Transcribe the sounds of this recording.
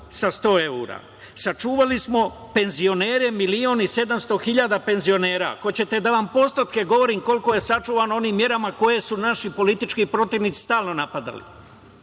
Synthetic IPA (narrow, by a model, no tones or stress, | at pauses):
sast̪o̞ːe̞uɾa̰ː | sat͡ʃuːʋalismo̞ | pe̞nzio̞ne̞ːɾemilioːnise̞d̪amst̪o̞xiʎaːd̪ape̞nzio̞ne̞ːɾa̰ko̞t͡ɕe̞t̪e̞d̪aʋampo̞st̪ot̪ke̞ɡo̞ʋo̞ɾiːmko̞lko̞je̞sat͡ʃuːʋaːnoo̞niːmːje̞ɾamako̞je̞sunaʃipo̞lit̪it͡ʃkiːpɾo̞t̪iʋnit̪si̥st̪aːlno̞napad̪a̰lḭ